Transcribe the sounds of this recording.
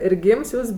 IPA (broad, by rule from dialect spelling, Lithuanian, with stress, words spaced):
ɪr ˈɡʲiːms ˈjuːs